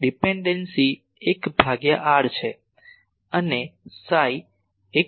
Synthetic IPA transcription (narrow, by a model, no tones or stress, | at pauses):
ɖipeɳɖensi | ekbʱaɡjaʔaɽt͡ʃʰe | ənesaj | e